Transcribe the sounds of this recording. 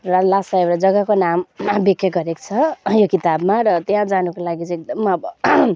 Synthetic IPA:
rʌlasaewɾʌd͡zʌɡakonambikʰːjʌɡʌɾekt͡sʰʌjokit̪abmaɾʌt̪jãd͡zanukolaɡit͡sek̚d̪ʌmʌbʌ

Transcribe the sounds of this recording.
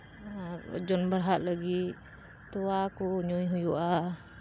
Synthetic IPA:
aɾd͡ʒɔnbəɽɦaʔ̪ləɡi | t̪ɔwakɔɲɔjɦujuʔa

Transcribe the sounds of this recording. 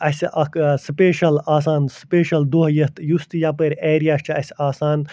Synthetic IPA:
ɐsʲʔɐkspeːʃɐlaːs̬aːnspeːʃɐld̪uɦjɐt̪ʰjust̪japɐɾʲeːɾijaːst͡ʃʰiɐsʲaːsaːn

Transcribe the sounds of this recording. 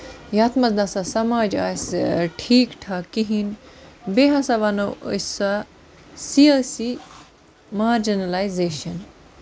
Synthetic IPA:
jɐːt̪mɐsd̪ɐsɐsɐmaːd͡ʒa̰ːsʈʰiːkʈʰakiɦinbeɦɐsɐʋɐnɐo̰sa | siasi | maːɾd͡ʒinɐlajzeːʃɐn

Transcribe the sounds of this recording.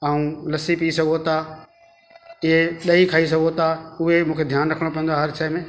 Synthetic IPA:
aːũlɐsipiːsɐɡʱot̪a | ɪɦeɗɐikʰaːis̬ɐɡʱot̪aʊɦemũːkʰed̪ʱjaːnɾɐkʰəɽ̃opɐ̃nd̪oaɦɐɾsaːmẽː

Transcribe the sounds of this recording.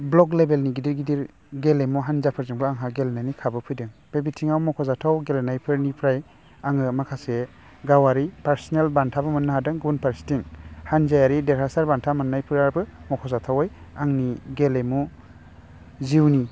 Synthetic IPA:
blɔklebelniɡidiɾɡidiɾ | ɡelemuɦanzapʰɯɾzɯŋbɯaŋɦaɡelnajnikʰabɯpʰɯjdɯŋb̥ebitʰiŋawmɔkʰɔzatʰawɡelnajpʰɯɾnipʰɾaj | aŋɯmakʰase | ɡawaɾipaɾsɔnelbantʰabɯmɯnːɯɦadɯŋɡunpaɾsi̥tiŋhanzajaɾideɾasaɾbantʰamɯnːajpʰɯɾaɾbɯmɔkʰɔzatʰawɔj | aŋniɡelemu | ziwni

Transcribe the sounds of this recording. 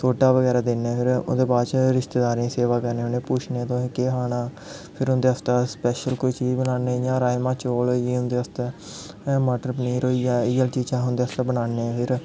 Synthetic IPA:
sʰoːʈaːʋəɡɛːɾaːd̪ɪnːẽːpʰɪɾo̰nd̪eːbaːdt͡ʃɾɪʃt̪eːd̪aːɾãːseːʋaːkəɾneːʊnẽːpuːt͡ʃʰneːt̪oĩːkeːɦaːnaː | pʰɪɾʊnd̪eːast̪aːspɛːʃəlkoiːt͡ʃiːbənaːnẽːjãːɾaːmãːt͡ʃoːloːieʊnd̪eːəst̪eː | məːʈəɾpəniːɾoːiaːiːəlt͡ʃiːd͡ʒãːɦʊnd̪eːast̪aːbənaːneːpʰɪɾ

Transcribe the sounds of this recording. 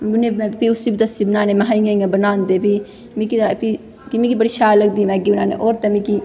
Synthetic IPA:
nempiusibit̪ɐsibnaːnemeɦaijaabənaːnd̪epi | mikipi | kimikibəɽiʃaːlɐɡ̚d̪imɛ̃kiunaːnḛʔoːɾt̪ɛmĩki

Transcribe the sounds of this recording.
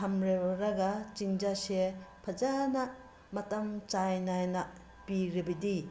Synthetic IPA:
ɐmɾeɾɐɡɐt͡ʃiŋd͡ʒasepʰɐd͡ʒanɐ | mɐtɐmt͡ʃajnajnɐ | piɾibidi

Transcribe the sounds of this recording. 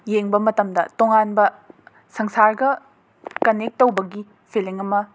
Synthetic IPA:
jeŋbɐmɐtɐmdɐ̰toŋanbɐ | sɐŋsaɾɡɐ | kɐnek̚tɐwbɐɡi | pʰiliŋɐmɐ

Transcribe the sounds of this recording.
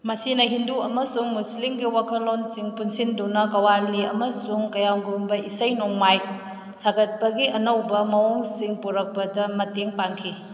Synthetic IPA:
mɐsinɐɦinduɐmɐsuŋmuslimɡiwakʰɐlonsiŋpunsindunɐkɐwaliɐ̰mɐsuŋkɐjaŋɡumbɐʔisɐjnoŋmaj | sakʰɐt̚pɐɡiʔɐnɐwbɐmɐwoŋsiŋpuɾɐk̚pɐdɐmɐteŋpaŋkʰi

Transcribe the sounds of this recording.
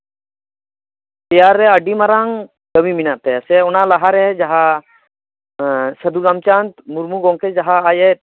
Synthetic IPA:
t̪ɛjaɾːɛəɖimaɾaŋ | ɡəmiminaʔt̪ɛsɛɔnalaɦaɾɛd͡ʒaɦa | səd̪uɡamt͡ʃant̪muɾmuɡɔŋkʰɛd͡ʒaɦaːjɛt̪

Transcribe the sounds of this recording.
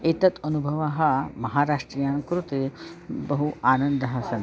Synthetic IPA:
et̪ɐt̪ɐnubʱɐʋaːɦɐmɐɦaːɾaːʂʈɾijaːŋkɾut̪ebɐɦuaːnɐnd̪ɐɦɐsɐn

